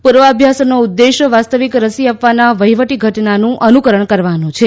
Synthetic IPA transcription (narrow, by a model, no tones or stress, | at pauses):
puɾʋəəbʱjasnoud̪ːeʃəʋast̪əʋikɾəsiapʋanaʋəɦjʋəʈiɡʱəʈnanũʔənukəɾəɳkəɾʋanũt͡ʃʰe